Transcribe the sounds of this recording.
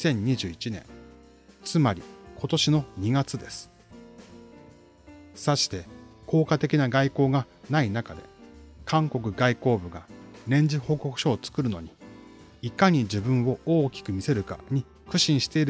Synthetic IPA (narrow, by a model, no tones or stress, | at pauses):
sẽ̞ɲ̟ːiʑɨːit͡ɕinẽ̞̰ŋ | t͡sɨmaɾʲḭko̞t̪o̞ɕino̞ɲ̟iɡat͡sɨd̪e̞sɨ̥ | saɕi̥t̪e̞kʰo̞ːkat̪e̞kʲinaɡaiko̞ːɡa | nainakad̪e̞̰kʰãŋko̞k̬ɯ̟ɡaiko̞ːbɯ̟ɡa̰ɾẽ̞ɲ̟d͡ʑiho̞ːko̞kɯ̟̥ɕo̞ːt͡sɨ̥kɯ̟ɾɯ̟no̞̰ɲ̟i | ikaɲ̟id͡ʑibɯ̟̃ɰ̃o̞oːkʲi̥kɯ̟mʲise̞ɾɯ̟ka̰ɲ̟i | kɯ̟ɕĩɰ̃ɕi̥t̪e̞iɾɯ